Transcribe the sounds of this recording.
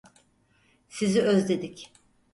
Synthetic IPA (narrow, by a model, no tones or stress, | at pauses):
siziøzd̪e̞d̪ic